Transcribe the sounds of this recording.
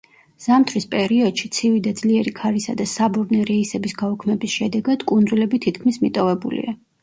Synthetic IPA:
z̥amt̪ʰɾispʼɛɾiɔd̪̥ʃit̪sʰivid̪ad̪zliɛɾikʰaɾisa̰d̪asabuɾnɛɾɛisɛbisɡaɔkʰmɛbisʃɛd̪ɛɡad̪̥kʼund̪zulɛbit̪ʰit̪kʰmismit̪ʼɔvɛbulḭa

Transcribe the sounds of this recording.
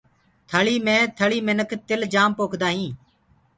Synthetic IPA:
t̪ʰəɭiːmẽːt̪ʰəɭiːmɪnəkʰt̪ɪld͡ʒaːmpoːkʰd̪aːɦĩː

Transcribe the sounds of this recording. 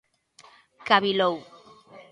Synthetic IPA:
kaβilow

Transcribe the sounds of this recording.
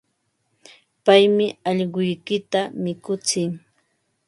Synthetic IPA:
pajmɪɑʎɢʊjkɪt̪amɪkʊt͡sɪŋ

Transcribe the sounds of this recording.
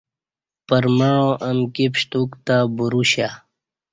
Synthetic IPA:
pəɾməɳõːʔəmkipɕt̪ukt̪aːbuɾuɕa

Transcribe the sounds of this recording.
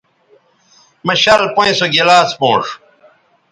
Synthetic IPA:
mɐɕɐlpoĩsoɡilaːspõːʂ

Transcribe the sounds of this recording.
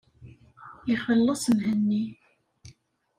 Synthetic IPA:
iχfəlːɑsˤmhənːi

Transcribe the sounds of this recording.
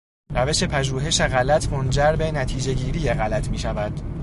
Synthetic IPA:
ɾæve̞ʃe̞pʰæʒuːɦe̞ʃeɣælæt̪ʰmond͡ʒæɾbe̞næt̪ʰiːd͡ʒe̞ɟiːɾiːjeɣælæt̪ʰmiːʃævæd̪̥

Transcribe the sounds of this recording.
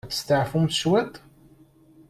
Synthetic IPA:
θə̥st̪əʕfumʃwæt̪ˤ

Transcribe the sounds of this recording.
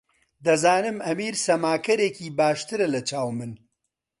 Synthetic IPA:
d̪ɐzaːnɨmɐmiːɾsɐmaːkɐɾeːkiːbaːʃt̪ɨɾɐlɐt͡ʃaːwmɨn

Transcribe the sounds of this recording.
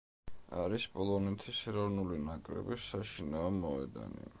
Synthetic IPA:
aɾispʼɔlˠɔnɛt̪ʰisɛɾɔvnulinakʼɾɛ̰bisːaʃinaɔmɔɛ̰d̪a̰nḭ

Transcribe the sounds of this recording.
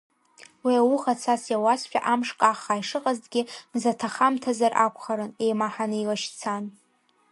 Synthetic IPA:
wiawuχat͡sʰasjawasħʷᶣa̰ʔamʂkʼaχaiʂɨqʼazdɡʲɪmzatʰaχamtʰazarʔakʷʰχaɾɨne̞jmaħanɨilaʃt͡sʰan

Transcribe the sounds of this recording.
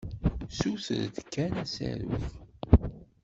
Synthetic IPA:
suθəɾd̪kːænæsæ̰ɾuθ

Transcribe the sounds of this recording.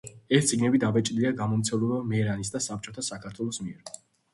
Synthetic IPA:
ɛst̪t̪sʼiɡnɛbid̪avɛt͡ʃʼd̪iaɡamɔmt̪sʰɛmlˠɛbamɛɾanisd̪asap̚t͡ʃʼɔt̪ʰasakʰat̪ʰwɛlˠɔsmiɛɾ

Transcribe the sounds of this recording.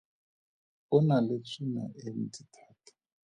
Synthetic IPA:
ʊnalet͡sʰina̰ʔen̩titʰaːtʰḁ

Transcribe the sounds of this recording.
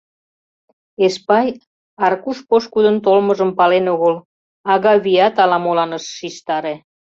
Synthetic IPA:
espɑj | ɑrkuʃpoʃkud̪ənt̪olməʒəmpɑlenoɣəl | ɑɣɑβiɑt̪ɑlɑmolɑnəʃːiʃt̪ɑɾe

